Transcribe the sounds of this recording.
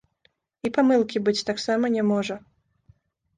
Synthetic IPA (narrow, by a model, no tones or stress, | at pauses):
ipamɨlˠkʲibɨt͡sʲt̪aksamɐnʲɛmɔʐɐ